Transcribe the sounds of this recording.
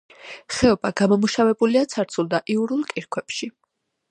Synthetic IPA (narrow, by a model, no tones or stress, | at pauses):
χɛɔbaɡamɔmuʃavɛbuliat̪sʰaɾt̪sʰulˠd̪aʔiuɾulˠkʼiɾkʰwɛpʃi